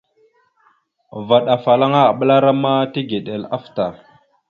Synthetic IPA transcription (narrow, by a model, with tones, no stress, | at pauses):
va˨ɗa˨fa˨la˦ŋa˦a˨ɓə˦la˦ɾa˦ma˦ti˦ɡe˨ɗe˨la˦fta˨